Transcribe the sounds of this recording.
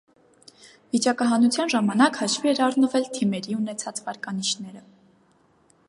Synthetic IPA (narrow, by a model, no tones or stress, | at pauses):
vit͡ʃɑkɑɦɑnut͡sʰjɑnʒɑmɑnɑkhɑʃviɛɾɑrnəvɛlt̪ʰimɛɾiun̪ɛt͡sʰɑt͡svɑɾkɑniʃʰnɛɾə